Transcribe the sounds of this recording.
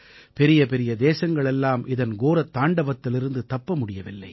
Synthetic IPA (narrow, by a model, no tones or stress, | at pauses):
pɛɾɪjɐpɛɾɪjɐd̪eːsɐŋɡɐɭɛlːaːmʔɪðɐnɡoːɾɐt̪ːaːɳɖɐʋɐt̪ːɪlɪɾɯnd̪ɯt̪ɐpːɐmʊɽɪjɐʋɪlːɐ̰ɪ